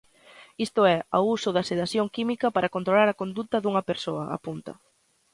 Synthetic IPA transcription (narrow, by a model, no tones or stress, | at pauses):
ist̪ʊɛa̰usʊðɐseðaθjoŋkimikɐpaɾɐkont̪ɾolaɾɐkond̪ut̪ɐðuŋɐpeɾsoɐʔa̰punt̪ɐ̰